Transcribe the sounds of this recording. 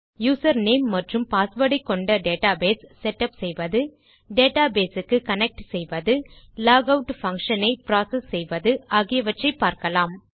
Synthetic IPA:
juːsɐɾneːmːɐʈrɯmpaːsʋɐɽɪkːɔɳɖɐɖeːʈaːbeːsːɛʈːɐpsɛjʋɐðɯ | ɖeːʈaːbeːsɯkːɯkɐnɛk̚ʈsɛjʋɐðɯ | laːɡɐʊʈfɐŋkʂɐnɐɪpɾaːsɐsːɛjʋɐðɯaːɣɪjɐʋɐʈrɐɪpːaːɾkɐlaːm

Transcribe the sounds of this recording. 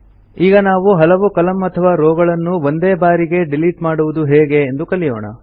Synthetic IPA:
iːɡɐnaːʋuɦɐlɐʋukɐlɐmɐt̪ʰɐʋaːɾoːɡɐɭɐnːuʋond̪eːbaːɾiɡe̞ɖiliʈmaːɽuʋud̪uɦeːɡe̞ːnd̪ukɐlijo̰ːɳɐ̰

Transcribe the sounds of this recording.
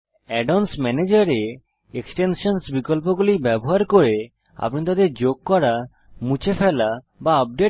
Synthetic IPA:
ɛɖonsmɛned͡ʑaɾe | eksʈenʃɔnsbikolp̬oɡulibɛboɦaɾkoɾe | a̰pnit̪ad̪eɾd͡ʑoɡ̚kɔɾa | mut͡ɕʰefʰela | baəp̚ɖe

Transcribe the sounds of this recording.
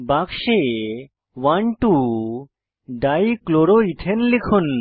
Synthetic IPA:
bakʃe | waɳʈu | ɖajkloɾoit̪ʰenlekʰun

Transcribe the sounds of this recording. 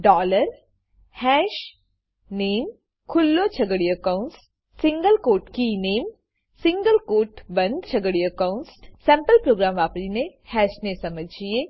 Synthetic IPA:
ɖɔːləɾ | hɛːʃ | neːm | kʰʊlːot͡ʃʰɐɡəɽiəkaʊns | sɪ̃ŋɡəlkoːɾʈkineːm | sɪ̃ŋɡəlkoːɾʈbɐ̃nd̪t͡ʃʰɐɡəɽiəkaʊnssɛ̃ːmpəlpɾoːɡɾaːmʋaːpɾinehɛːʃnesɐməd͡ʒʱie

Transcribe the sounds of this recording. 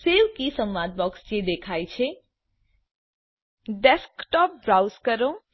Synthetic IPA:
seʋkisəmʋad̪̚bɔksd͡ʒed̪ekʰajt͡ʃʰe | ɖeskʈɔp̚ɡɾawskəɾo

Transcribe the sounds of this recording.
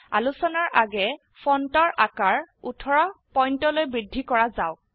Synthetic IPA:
a̰lusɔnɔɹʔaɡɛ | fʰɔntɔɹʔakaɹutʰɔɹɔpɔjntɔlojbɹidʱːikɔɹazaʊ

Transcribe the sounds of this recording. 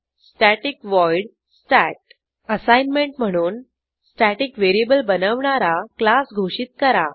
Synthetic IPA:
sʈæʈikʋɔjɽ | sʈæʈ̚ | əsajnmeɳʈm̤əɽ̃uːn | sʈæʈikʋeɾiebəlbənəʋɳaɾaklasɡʱoɕit̪̚kəɾa

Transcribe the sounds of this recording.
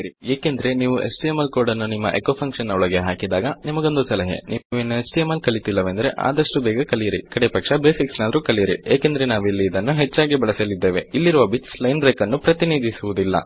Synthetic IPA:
ɾieːkend̪ɐɾe̞niːʋuʔḛsʈijemːɐlkoːɽɐnːunimːɐ̰ʔekopʰɐŋkʂɐnːɐɔɭɐɡe̞ɦaːkid̪aːɡɐnimɐɡo̞nd̪usɐlɐɦḛniʋenːuesʈiemɐlkɐɭit̪ilːɐʋend̪ɐɾe̞ʔa̰ːd̪ɐʂʈubɛːɡɐkɐlijiɾḭkɐɽepɐkʂɐbe̞ːsiksnaːd̪ɐɾuːkɐlijiɾḭeːkend̪ɐɾe̞naːʋilːiːd̪ɐnːuɦet͡ʃːaːɡibɐɭɐsɐlid̪ːe̞ːʋeilːiɾuʋɐbit͡ʃslɐjnbɾeːkɐnːupɾɐt̪iniːd̪ʱisuʋud̪ilːɐ̰

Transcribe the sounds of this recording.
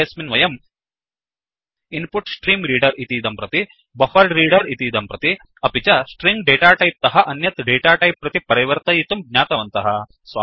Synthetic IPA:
jɐsminʋɐjɐm | inpuʈsʈɾiːmɾiːɖɐɾit̪id̪ɐmpɾɐt̪i | bɐfɐɾɖɾiːɖɐɾit̪id̪ɐmpɾɐt̪i | ɐpit͡ʃɐsʈɾiŋɡɖeːʈaːʈɐjp̚t̪ɐɦɐʔɐnjɐt̪ɖeːʈaːʈɐjpːɾɐt̪ipɐɾɐʋɐɾt̪ɐjit̪umɡ̚ɲʲaːt̪ɐʋɐnt̪ɐɦɐ̆ | sʋa

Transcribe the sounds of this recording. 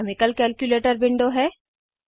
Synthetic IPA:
mɪkəlkɛːlkjuleːʈəɾbɪ̃ɳɖoɦɛː

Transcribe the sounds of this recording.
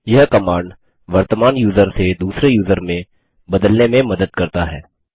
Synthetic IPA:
jɐɦkɐmaːɳɖ | ʋɐɾt̪əmaːnjuːzəɾsed̪uːsɾejuːzəɾmẽ | bɐd̪əlnẽmẽmɐd̪əd̪̚kɐɾt̪aɦɛ̰ː

